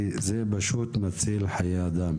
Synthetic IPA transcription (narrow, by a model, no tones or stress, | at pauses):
zebaʃut̪mat͡silħajead̪am